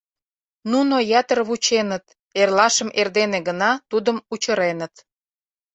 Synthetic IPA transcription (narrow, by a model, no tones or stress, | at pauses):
nunojæt̪ərβut͡ɕenət̪ | erlɑʃəmʔerd̪eneɣənɑt̪ud̪əmut͡ɕə̆ɾenət̪